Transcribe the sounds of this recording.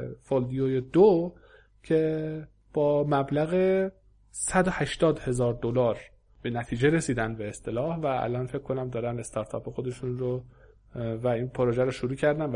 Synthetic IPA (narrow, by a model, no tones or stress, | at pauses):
fold̪ijojed̪o | cʰe̞ | b̥ɒːmæblæɣe | sæd̪ohæʃt̪ɒːd̪he̞zɒːɾd̪olɒːɾ | b̥e̞næt̪ʰiːd͡ʒe̞ɾe̞siːd̪ænd̪̚be̞ːst̪e̞lɒːhvææ̰lʔɒːnfe̞cʰːko̞næmd̪ɒːɾænd̪e̞st̪ʰɒɾt̪ʰɒ̰ːpʰexo̞d̪e̞ʃunɾo | væinpʰoɾoʒæɾoʃouɾuːcʰæɾd̪æn